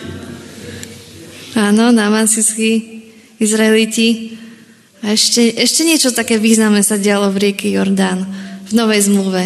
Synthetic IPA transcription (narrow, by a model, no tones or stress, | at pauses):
aːnɔnamasiski | izɾaɛlici | aɛʃcɛʔɛʃcɛɲɪɛt͡ʃɔt̪akɛːʋiːznamnɛsaɟɪalɔvɾɪɛkɛjɔɾd̪anvnɔʋɛjzmluʋɛ